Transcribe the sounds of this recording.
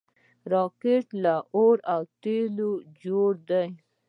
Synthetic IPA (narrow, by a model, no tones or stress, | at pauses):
ɾɔkeʈlaʔoɾawt̪elod͡ʒoɽd̪aj